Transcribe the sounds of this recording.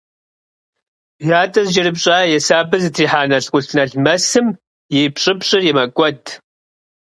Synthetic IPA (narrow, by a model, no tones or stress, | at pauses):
jaːtʼɐzd͡ʒɐɾɨbɕʼaːjɛsaːbɨzɨtʰiːħaːnɐɬqʷʼʊɬʰnɐɮmɐsɨm | jɛjpɕʼɪpɕʼɪrjɛmɐkʷʼɔdʰʼ